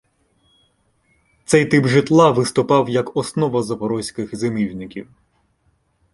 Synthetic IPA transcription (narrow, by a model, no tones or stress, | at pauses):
t̪sɛjt̪ɪbʒɪt̪lˠɑʋɪst̪ʊpɑwjɐkɔsnɔʋɐzɐpɔɾɔsʲkɪxzemiwnɪkʲiw